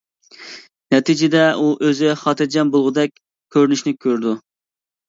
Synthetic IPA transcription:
nɛt̪ʰid͡ʒɪd̪ɛuʔøzɪχɑːt̪ʰɨɾd͡ʒɛnbolˠʁʊd̪ɛk̚ʲ | kʲʰøɾnyʃnɪkʲʰøɾd̪u

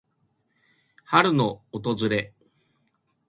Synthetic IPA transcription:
haɾɯ̟no̞ːt̪o̞zɨɾe̞

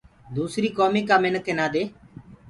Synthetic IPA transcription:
d̪uːsɾiːkoːmiːkaːmɪnəkʰenaːd̪eː

